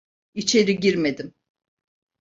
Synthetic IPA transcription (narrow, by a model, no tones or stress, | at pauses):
it͡ʃʰe̞ɾiɟiɾme̞d̪im